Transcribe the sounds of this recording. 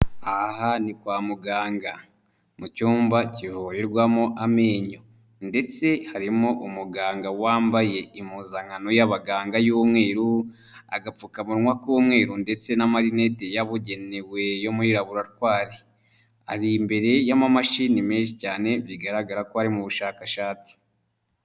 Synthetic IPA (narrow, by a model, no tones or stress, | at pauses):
ahanikwaːmuɡaːŋɡa | mucuːmbacivojeɾɡwamoʔameːɲo̞ | nde̞t͡se̞haɾimoʔumuɡaːŋɡawaːmbaje̞imuzaŋano̞jaβaɡaːŋɡajuːmŋe̞ːɾu | a̰ɡap͡fukamuɾŋwakuːmŋe̞ːɾunde̞t͡se̞namaɾine̞tejaβuɟe̞newe̞jo̞muɾiɾaβuɾaɾkwaːɾe | a̰ɾimbe̞ɾe̞jamamaʃinimeːnʃicaːne̞βiɡaɾaɡaɾakoaɾimuβuʃaːkaʃaːt͡si̥